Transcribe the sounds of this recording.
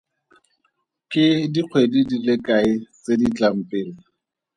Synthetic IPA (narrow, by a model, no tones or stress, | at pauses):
kʼɪdiq͡χʰwedidilekʼaɪt͡sedit͡ɬʼam̩pʼɪːla